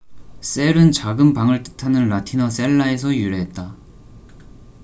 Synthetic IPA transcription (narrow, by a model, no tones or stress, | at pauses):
s͈e̞ɾɯnt͡ɕaɡɯmpaŋɯɭt͈ɯ̥tʰanɯnlatʰinʌs͈e̞ɭːae̞s̬ʰʌjuɾeɦet̚t͈a